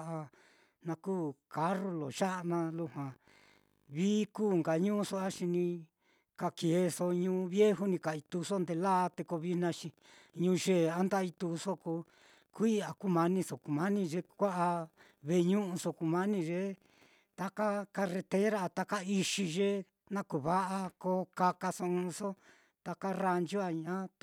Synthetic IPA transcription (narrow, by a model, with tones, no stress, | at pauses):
ʔa˧ | nã˧kuː˦˨ka˧˦ro˧lo̰˨ʃa˦ʔnã˧lu˧hwã˨ | βiː˦kuː˦˨ŋɡa˨ɲũ˦˧so˦a˦ʃi˧nĩ˧ | ka˧ke˨˦so˧ɲũː˧˦˧βje˦ɦu˦nĩ˧ka˨i˧t̪u˧so˦nd̪e˧laː˦˧t̪e˧ko˧βi˦nã˧ʃi˧ | ɲũː˧ʒe˦˨a˦nd̪a˦i˧t̪u˧so˦ko˧ | kʷi˦a˨ku˦mã˧nĩ˧so˨ku˨mã˦nĩ˧ʒe˧kʷa˦ʔa˧ | βe˧˨˧ɲũ˦ʔũ˧so˧ku˧mã˦nĩ˧ʒe˦ | t̪a˧ka˦ka˧re˧t̪e˦ɾa˦˧t̪a˧ka˦i˧ʃi˧ʒe˦ | nã˦ku˨βa˦ʔa˧ko˧˦ka˧ka˧so˧ũ˧so˦ | t̪a˧ka˦ra˧nd͡ʒu˦a˧ɲã˦